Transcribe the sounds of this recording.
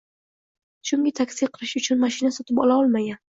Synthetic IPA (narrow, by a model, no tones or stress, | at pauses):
ʃʊŋɡʲɪt̪ʰakʲsiqʰɨlˠɪʃʊt͡ʃʰʊnmaʃɪnasɒt̪ɪpɒlaɒlˠmaɡʲan